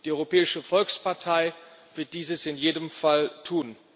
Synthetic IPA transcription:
d̥iːʔɔʏʁopɛːɪʃəfɔlkspaɐtʰaɪv̥ɪɐt̚d̥iːzəsɪnjeːdəmfaltʰuːn

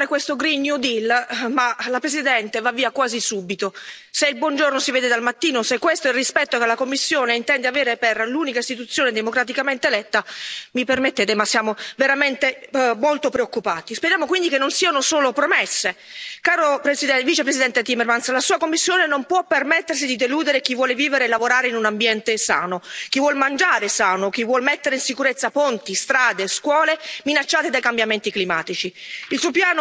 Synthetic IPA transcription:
ɾekwest̪oɡɾinːjud̪ilmalapɾezid̪ɛnt̪evavːiːakwaːzisubit̪o | seilbwɔnd͡ʒornosiveːd̪ed̪almat̪ːiːnosekːwest̪oilrispɛt̪ːokelakomːisːjoːneint̪ɛnd̪eaveːɾeperlunikaist̪it̪ut̪sːjoːned̪emokɾat̪̬ikament̪elɛt̪ːamipermet̪ːeːt̪emasːjaːmoveɾament̪emolt̪opɾeokːupaːt̪ispeɾjaːmokwind̪ikenːonsiːanosoːlopɾomɛsːekaːɾopɾesid̪ɛviːt͡ʃepɾesid̪ɛnt̪et̪imːermanslasuːakomːisːjoːnenompwɔpːermɛt̪ːers̬id̪id̪eluːd̪eɾek̟ivːwɔːleviːveɾelːavoɾaːɾeinunambjɛnt̪esa̰ːnok̟ivːwɔlmand͡ʒaːɾesaːnok̟ivːwɔlmet̪ːeɾeinsikuɾet̪sːapont̪ist̪ɾaːd̪eskwɔːleminat͡ʃːaːt̪ed̪ajkambjament̪iklimaːt̪it͡ʃiilsuopjaːno

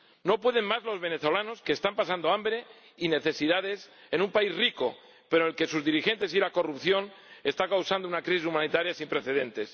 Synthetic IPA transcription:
no̞pwe̞ð̞e̞mmazlo̞zβe̞ne̞θo̞lano̞ske̞ːst̪ampasand̪oambɾe̞ | ine̞θe̞siðað̞e̞se̞nũmpaizriko̞̰ | pe̞ɾoelke̞suzðiɾixe̞nt̪e̞s̬ilako̞rupθjo̞n | e̞st̪akawsand̪ounakɾis̬is̬umãnit̪aɾjasimpɾeθe̞ð̞ẽ̞nt̪e̞s

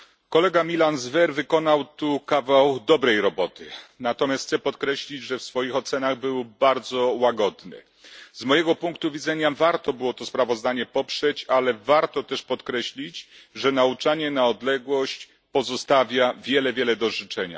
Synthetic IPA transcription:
kɔlɛɡamʲilanzvɛɾvɘkɔn̪awt̪ukavawd̪ɔbɾɛjɾɔbɔt̪ɘnat̪ɔmʲjastsɛpɔt̪kɾɛɕlʲid͡ʑʐɛfsfɔjixɔt̪sɛnaɣbɘwbaɾd̪zɔwaɡɔd̪nɛ̰ | zmɔjɛɡɔpuŋkt̪uvʲid̪zɛɲavaɾt̪ɔbɘwɔt̪ɔspɾavɔzd̪aɲɛpɔpʂɛt͡ɕalɛvaɾt̪ɔt̪ɛʂpɔt̪kɾɛɕlʲit͡ɕʐɛnaut͡ʂaɲɛnaɔd̪lɛɡwɔɕt͡ɕ | pɔzɔst̪avʲjavʲjɛlɛvʲjɛlɛd̪ɔʐɘt͡ʂɛɲa̰

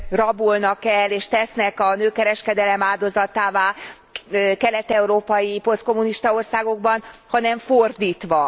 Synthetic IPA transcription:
rɒbulnɒkɛlːeːʃt̪ɛsnɛkɒnøːkɛɾɛʃkɛd̪ɛlɛmaːld̪o̞zɒt̪aːvaː | kɛlɛt̪ɛuɾoːpɒjipo̞lsko̞muniʃt̪ɒo̞rsaːɡo̞ɡbɒnhɒnɛɱfo̞rd̪iːt̪ʋɒ

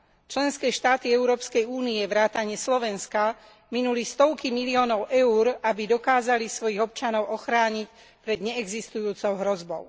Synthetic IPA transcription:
t͡ʃlɛnskɛːʃt̪aːt̪iɛʊɾɔːpskɛjuːniɛʋɾaːt̪aɲɛslɔʋɛnska | minulist̪ɔʊkimiliɔːnɔʊʔɛuɾabid̪ɔkaːzalisʋɔjiɣɔp̚t͡ʃanɔʊʔɔxɾaːɲic | pɾɛd̪ɲɛɛɡzist̪ujuːt͡sɔʊɦɾɔzbɔʊ

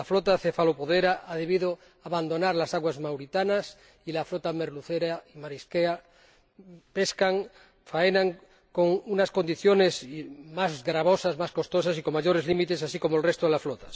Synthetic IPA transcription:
aflot̪aθefalopoðeɾaʔaðeβiðo | aβand̪o̞naɾlasaɣwazmawɾit̪anas | ilaflot̪ameɾluθeɾaimaɾiskea | peskaŋ | faenaŋ | koŋunasko̞nd̪iθjonesmazɣɾaβosasmasko̞st̪osasikomaʝoɾezlimit̪esasikomoelrest̪oðelasflot̪ḁ

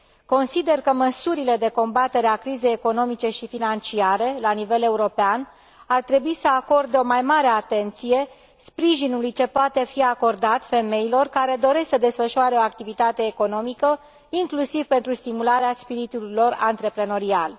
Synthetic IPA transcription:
ko̞nsid̪e̞rkəməsuɾile̞d̪e̞ko̞mbat̪e̞ɾeakɾize̞jeko̞no̞mit͡ʃe̞ʃifinant͡ʃiaɾe̞lanive̞le̞uɾo̞pean | art̪ɾe̞buisəako̞rd̪eo̞majmaɾe̞at̪e̞nt̪sije̞ | spɾiʒinulujt͡ʃe̞poat̪e̞fiako̞rd̪at̪fe̞me̞jilo̞rkaɾe̞d̪o̞ɾe̞sksəd̪e̞sfəʃuoaɾeoak̚t̪ivit̪at̪e̞ːko̞no̞mikə | iŋklusiv̥pe̞nt̪ɾust̪imulaɾeaspiɾit̪ulo̞ra̰nt̪ɾe̞pɾe̞no̞ɾial

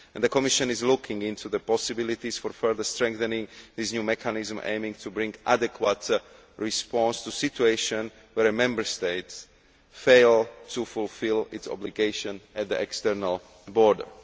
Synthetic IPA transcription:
ʔɛ̃nd̪əkɔmiʃɔ̃nizlukʰɪ̃ŋɡĩnt̪ʰuðəpɔsɪbilit̪isfɔɾfɛɹðəst̪ɹɛ̃ŋkθɛnĩŋðisɲuːmɛkʰanizm̩ʔḛ̃ɪ̃mĩŋt̪ʰubɾĩŋɡʔa̰dɛkʰwat̪ | ɹispɔ̃nst̪usitueɪʃɔ̃n | wɛɾɛmɛ̃mbəɹst̪eɪts | feɪlt̪ʰufulfilitsɔ̰bliɡeɪʃɔ̃nɛt̪̚d̪iʔɛkst̪ɛɾnal | bɔɹdə̰˞

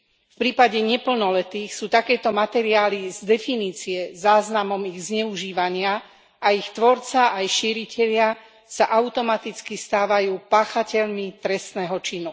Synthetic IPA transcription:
fpɾiːpaɟɛɲɛpl̩nɔlɛt̪iːxsuːt̪akɛːt̪ɔmat̪ɛɾiaːlizd̪ɛfiniːt͡siɛzaːznamɔmiɣzɲɛuʒiːʋaɲɪa | aixt̪ʋɔɾt͡saʔajʃiːɾicʰɛʎɪa | saʔaʊt̪ɔmat̪it͡skist̪aːʋajuːpaːxacɛʎmit̪ɾɛst̪nɛːɦɔt͡ʃinu

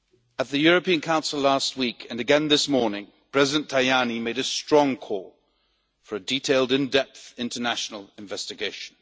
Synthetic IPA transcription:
ət̪̚ðɨjɔɹɨpĩə̃nkʰãʊ̃nsəlˠast̚wikʰɨ̃nɨɡɛ̃nðɪsmɔɹnɪ̃ŋ | pʰɹ̥ɛzɪdə̃ntʰaɪanimeɪɾɨstɹ̥ɔ̃ŋkʰɔlˠ | fə˞ɨditʰeɪlˠdɨ̃ndɛp̚θɪ̃ntʰənaʃnəl̩ˠɪ̃ɱvɛstɨɡeɪʃə̃n̩

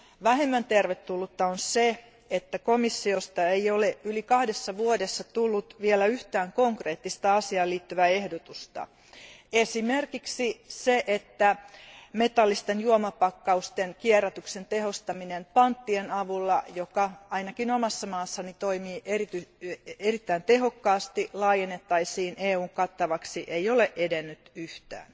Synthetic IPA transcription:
ʋæhemːænt̪erʋet̪ːulːut̪ːɑonse | et̪ːækomisːiost̪ɑeioleylikɑhdesːɑʋuodesːɑt̪ulːut̪ʋielæyht̪æːŋkoŋkreːt̪ːist̪ɑɑsiɑːliːt̪ːyʋæehdot̪ust̪ɑ̰ | esimerkiksiseʔet̪ːæmet̪ɑlːist̪enjuomɑpɑkːɑust̪enkiɛræt̪yksent̪ehost̪ɑminempɑnt̪ːienɑʋulːɑjokɑɑinɑkinomɑsːɑmɑːsːɑnit̪oimiːʔerit̪yerit̪ːæint̪eɦokːɑːst̪ilɑːjenːet̪ːɑisiːnʔeːuːŋkɑt̪ːɑʋɑksiʔeijoleʔedenːyt̪yht̪æ̰ːn

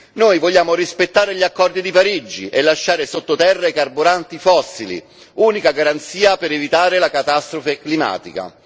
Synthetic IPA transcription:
noːjvɔʎːaːmʊrispet̪ːaːɾɪʎiakːɔrd̪id̪ipaɾid͡ʒːiʔelːaʃːaːɾɪsot̪ːot̪ɛrːaikarbuɾant̪ifɔsːilḭ | uːnikaɡaɾant̪siːapɪɾevit̪aːɾɪlakat̪ast̪ɾofeklima̰ːt̪ika̰

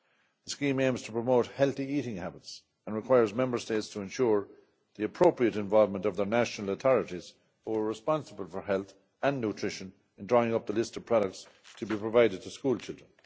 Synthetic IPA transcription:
ðəskĩːmẽɪ̃mz̥tʰəpʰɹ̥əmoʊt̚hɛlˠθiiɾɪ̃ŋhabɪts | ə̃nɹɨkʰw̥aɪə˞zmɛ̃mbə˞steɪtstʰəɛ̃nʃuɹ | ðiəpʰɹ̥oʊpɹiəɾɨ̃ɱvɑlˠvmə̃ntʌvðə˞næʃnəl̩əθɔɹəɾiz̥ | huwə˞ɹɪspɑ̃nsəbəlˠfə˞ɦɛlˠθ | ə̃nːʉtʰɹ̥ɪʃə̃n | ɨ̃ndɹɔɪ̃ŋʌp̚ðəlɪstʌv̥pʰɹ̥ɑɾək̚tstʰəbipʰɹ̥əvaɪɾɨd̚tʰəskuːlˠt͡ʃʰɪlˠdɹə̃n

